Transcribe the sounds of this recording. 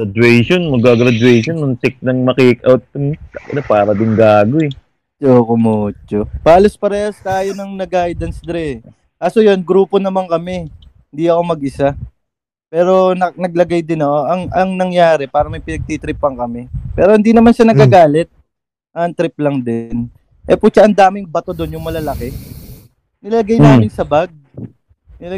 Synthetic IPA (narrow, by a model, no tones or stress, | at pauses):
ad̪wɛjʃonmɐɡaɡɾɐd̪uɛjʃonːʊŋsɪk̚nɐŋmɐkiʔɪkʔawt̪̚ːʊmɐkɐ̰napaːɾɐd̪ɪnɡaːɡoɛ | t͡ʃokomot͡ʃob̥aːlospɐɾɛːhɐst̪aːjonɐŋnɐɡʔaːjd̪ɐnsd̪ɾɛ | kaːsojonɡɾuːpo̞nɐmaŋkɐmɛ | hɪnd̪iɐko̞mɐɡʔɪsa | pɛːɾo̞nɐnɐɡ̚lɐɡajd̪ɪnɐko̞ʔɐŋɐŋnɐŋjaːɾɛpaːɾɐmɐjpɪnɐɡ̚t̪it̪ɾɪpːɐŋkɐmɛpɛːɾo̞hɪnd̪inɐmanʃanɐɡaːɡaːlɛt̪̚ | ʔɐnt̪ɾɪp̚lɐŋd̪ɛn | ʔɛpʊt͡ʃaʔɐnd̪aːmɪŋbɐt̪o̞d̪o̞njʊŋmɐlɐlɐkɛ | nɪlalɐɡajnaːmɪnsɐbaɡ̚ | nɪ